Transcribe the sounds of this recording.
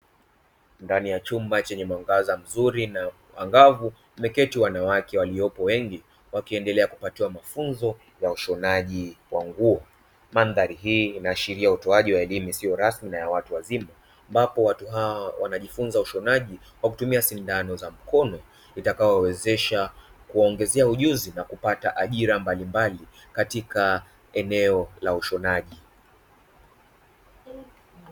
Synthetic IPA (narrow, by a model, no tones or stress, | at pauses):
ndanijat͡ʃumbat͡ʃɛɲɛmwaŋɡazam̩zuɾina | wa̰ŋɡavu | mɛkɛtiwanawakɛwaliɔpɔwɛŋɡi | wakiɛndɛlɛakupatiwamafunzɔ | jauʃɔnaʄiwaŋɡuɔ | manðaɾiɦiːnaːʃiɾiautɔaʄiwaɛlimusiɔɾasminajawatuwazimaː | mbapɔwatuɦaɔwa̰naʄifunzauʃɔnaʄi | kwakutumiasindanɔzam̩kɔnɔ | itakajɔwɛzɛʃakuaɔɔŋɡɛzɛauʄuzinakupataʔaʄiɾambalimbalikatika | ɛnɛɔlauʃɔnaʄi